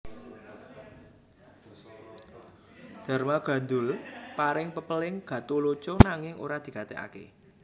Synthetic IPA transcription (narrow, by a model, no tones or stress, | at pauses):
d̪̥a̤rmaɡ̥ä̤nd̪ʊlpaɾɪŋpəpəlɪŋɡ̥ä̤t̪olot͡ʃonaŋɪŋo̰ɾad̪̥i̤kat̪ɛ̰ʔa̰kḛ